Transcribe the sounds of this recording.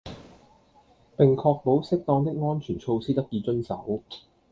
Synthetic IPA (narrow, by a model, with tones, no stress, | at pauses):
pɪ˨ŋkʰɔː˧k̚po˨˥wsɪ˥k̚t̪ɔː˧ŋt̪ɪ˥k̚ŋɔː˥nt͡ʃʰyː˨˩nt͡ʃʰo˧wsiː˥t̪ɐ˥k̚jiː˧t͡ʃɵ˥nsɐ˨˥w